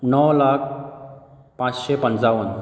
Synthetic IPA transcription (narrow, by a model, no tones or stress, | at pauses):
nəwlak̚ʰ | pãt͡sɕepənt͡saʋən